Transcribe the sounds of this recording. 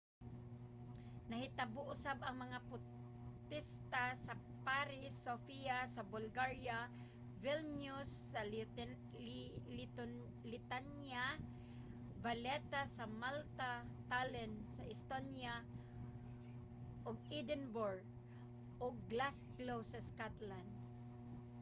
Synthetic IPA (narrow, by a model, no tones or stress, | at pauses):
naɦɪt̪abʊʔʊsabaŋmaŋapʊ | t̪ɪst̪asa | paɾɪsːofiasabʊlɡaɹja | vilnʊsːa | lit̪n | lɪt̪anja | valɛt̪asamalt̪at̪alɛnsaʔɪst̪onja | ʔʊɡid̪ɛnbɔɾɡ | ʔʊɡlasklowsaskat̪land̪̚